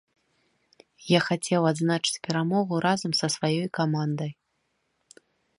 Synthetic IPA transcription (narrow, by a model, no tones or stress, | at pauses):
jaxat͡sʲɛwad̪znat͡ʂɨ̥t͡sʲpʲɛɾamɔɣuɾazɐmsɐsvajɔjkamand̪ɐj